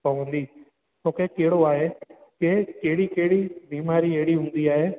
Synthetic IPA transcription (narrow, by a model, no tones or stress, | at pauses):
pɐʋũnd̪iː | t̪õːkekeɦɪɽoaːɦekekeɦɽikeɦɪɽibiːmaːɾieɦɪɽiɦũːnd̪iaːɦeː